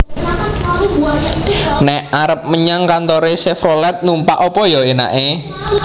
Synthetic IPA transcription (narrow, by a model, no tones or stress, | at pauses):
nɛʔaɾəp̚məɲaŋkant̪oɾesɛfɾolɛt̪̚numpaʔopɔjɔena̰ʔe